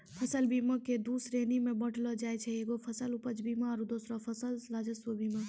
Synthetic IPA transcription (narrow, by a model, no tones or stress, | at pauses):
pʰəsəlbiməked̪usɾenimẽbəʈʰlɔd͡ʒaːjt͡ʃʰɛeɡopʰəsəlupət͡ʃʰbimaːɾud̪osɾɔpʰəsəlɾad͡ʒəsʋobʱimə̃